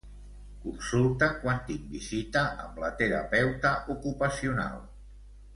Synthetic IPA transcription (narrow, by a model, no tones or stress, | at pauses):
kunsulˠt̪əkwant̪iŋbizit̪əʔə̰mblət̪əɾə̰pɛwt̪əʔukupəsiuna̰lˠ